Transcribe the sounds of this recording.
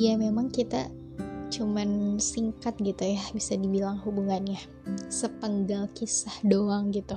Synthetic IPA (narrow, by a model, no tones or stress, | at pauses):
jamemaŋkit̪a̰ | t͡ʃumansiŋkat̪̚ɡit̪ujabisadibilaŋɦubuŋanɲa | səpəŋɡalkisahdoaŋɡit̪u